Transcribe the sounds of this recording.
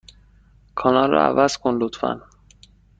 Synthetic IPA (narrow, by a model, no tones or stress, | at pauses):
kʰɒːnɒlːɒ̰ævæz̥kʰonlot̪fæ̰n